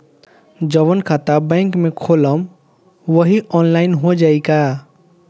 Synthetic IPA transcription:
d͡ʒəʋənkʰat̪abɛ̃ːŋkmẽkʰoːləm | ʋəɦiʔɔːnlaːɪnɦod͡ʒaːika

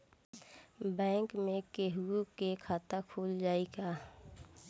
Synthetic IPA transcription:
bɛ̃ːŋkmẽkeɦuukekʰaːt̪akʰuːld͡ʒaːiɡaː

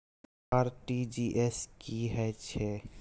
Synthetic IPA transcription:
aɾʈid͡ʒiʔeskiɦɛt͡ʃʰɛ

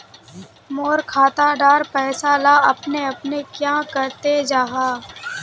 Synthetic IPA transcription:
moːɾkʰaːt̪aɖaːɾpɛːsalaɐpneɐpnekjãːkɐɾt̪ed͡ʒaːɦaː

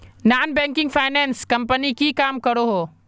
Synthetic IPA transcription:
naːnbɛ̃ːŋkɪ̃ŋɡfʰaːɪnɛːnskɐ̃mpənikikaːmkɐɾoɦoː

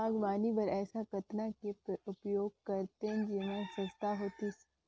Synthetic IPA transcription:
aːɡmaːnibɐɾɛːsakɐt̪nakepʊpjoːɡ̚kɐɾt̪ẽd͡ʒɪmãsɐ̃st̪aɦoːt̪i

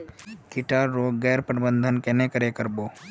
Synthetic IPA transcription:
kɪʈaːɾːoːɡɛːɾpəɾbə̃nd̪ʱənkenekəɾekəɾboː

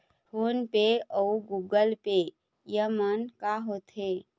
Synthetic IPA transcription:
fʰoːnpeɔuɡuːɡəlpe | jəmənkaɦoːt̪ɦeː

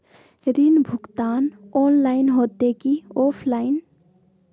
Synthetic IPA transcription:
ɾinbʱʊkt̪aːnonlaɪnɦoːt̪ekioːpʰlaɪn

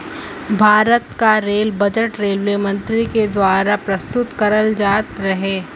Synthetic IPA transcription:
bʱaːɾət̪kaɾeːlbɐd͡ʒəʈɾeːlːemɐ̃nt̪ɾiked̪waːɾapɾɐst̪ʊt̪kɐɾəld͡ʒaːt̪ɾɐɦeː

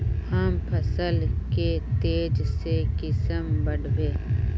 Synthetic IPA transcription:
həmpʰəsəlket̪eːd͡ʒsekɪsəmbəɽbeː

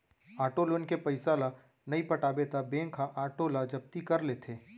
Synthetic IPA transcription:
aːʈoːlənkepɐɪsaːla | nɐipɐʈaːbet̪ʰabẽːŋkʰaʔaːʈolad͡ʒɐb̚t̪ikɐɾleːt̪ʰeː

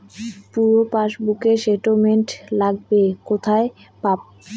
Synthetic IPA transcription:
puɾopaʃbukeʃeʈomeɳʈlaɡ̚bekot̪ʰae | pap̚

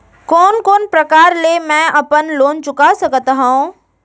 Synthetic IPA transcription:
koːnkoːnpɾɐkaːɾlemɛ̃ːʔɐpənloːnt͡ʃʊkasɐɡʱət̪aɦã

